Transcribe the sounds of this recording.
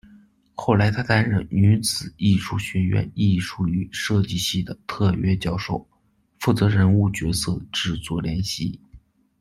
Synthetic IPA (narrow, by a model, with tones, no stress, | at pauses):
xo˥˩ʊla˧˥ɪt̪ʰa˥t̪a˥nɻə̰˧˨˩ny˧˥t͡sɹ̩˨˩i˥˧ʂu˥˩ɕɥɛ˧˥nɥɛ̰˧˥ni˥˩ʂu˥˩y˧˥ʂɤ˥˧t͡ɕi˥˧ɕi˥˩d̪ə˩t̪ʰɤ˥˧ɥɛ˥t͡ɕjɑ˥˩ʊʂo˥˩ʊ | fu˥˩t͡sɤ˧˥ɻə˧˥nu˥˩t͡ɕɥɛ˧˥sɤ˥˧ʈ͡ʂɻ̩˥˩t͡swɔ˥˩ljɛ˧˥nɕi˥˩